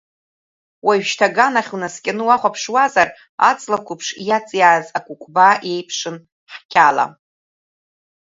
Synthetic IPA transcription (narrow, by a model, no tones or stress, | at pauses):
waɥᶣʃtʰaɡanaχʲunaskʲʼanɨwaχʷapʰʂwazar | a̰t͡sʼlakʷʊpʰʂjat͡sʼjaːzakʷʰʼukʷʰʼbae̞jpʰʂɨn | ħkʲʰala̰